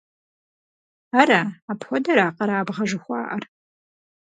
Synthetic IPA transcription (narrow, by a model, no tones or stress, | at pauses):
aɾaapxʷɔdɐɾaːqɐɾaːbʁɐʒɨxʷɑ̰ːʔɐr